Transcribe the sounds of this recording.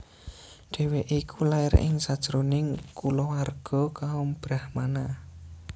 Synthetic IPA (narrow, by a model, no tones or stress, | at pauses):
ɖ̥e̤weʔikulaɪɾɪ̰ŋsad̥ʒ̥əɾonɪŋkulɔwarɡ̥ɔ̤kaɔmb̥ɾahmana